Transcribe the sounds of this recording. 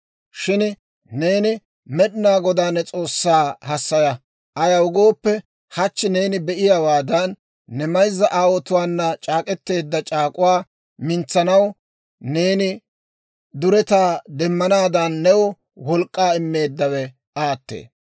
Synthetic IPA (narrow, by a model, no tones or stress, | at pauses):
ʃɪn | ne̞ːnɪ | mɛɗɪnaːɡɔd̪aːnːɛt͡sʼo̞ːsːaːhɐsːɐjɐ | ʔɐjɐʊɡo̞ːpːɛ | hɐt͡ʃːɪne̞ːnɪbɛʔɪjawaːd̪ɐnː | ɛmɐjzːɐʔaːwɔt̪ʊwaːnːɐt͡ʃʼaːkʼɛt̪ːe̞ːd̪ːɐt͡ʃʼaːkʼʊwaː | mɪnt͡sːɐnɐw | ne̞ːnɪ | d̪ʊɾɛt̪aːd̪ɛmːɐnaːd̪ɐnːɛwɔ | wɔlkʼːaːɪmːe̞ːd̪ːɐwɛ | aːt̪ːḛː